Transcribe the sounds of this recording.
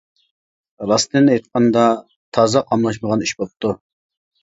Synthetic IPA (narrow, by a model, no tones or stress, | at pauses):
ɾɑst̪ɨnejt̪̚qʰɑnd̪ɑ | t̪ʰɑːzɑqʰɑmlˠɑʃməʁɑniʃbop̚t̪u